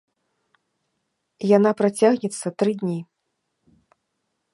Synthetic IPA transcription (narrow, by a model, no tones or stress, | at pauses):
janapɾat͡sʲaɣnʲɛt̪sːɐt̪ɾɨd̪ʲnʲi